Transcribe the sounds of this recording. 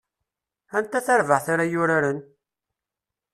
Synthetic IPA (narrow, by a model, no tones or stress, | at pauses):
ænt̪ːæθæɾvəʁθaɾajʊɾaɾən